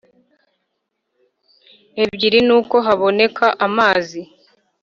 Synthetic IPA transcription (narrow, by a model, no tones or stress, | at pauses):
e̞bɟiɾinuːko̞ɦaβo̞ne̞kʰaʔamaːzi